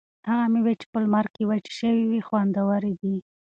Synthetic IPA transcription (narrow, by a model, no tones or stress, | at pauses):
haɣamewet͡ʃe̥pəlmaɾkkewat͡ʃʃəwiwixwand̪awaɾed̪i